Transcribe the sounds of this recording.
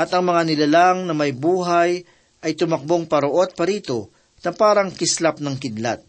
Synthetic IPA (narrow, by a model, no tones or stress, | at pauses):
ʔɐt̪ɐŋmɐŋanɪlalaŋnɐmɐjbuːɦaj | ʔɐjt̪ʊmɐk̚bo̞ŋpɐɾoʔo̞d̪̚pɐɾiːt̪o̞ | nɐpaːɾɐŋkɪslap̚nɐŋkɪd̪la̰t̪̚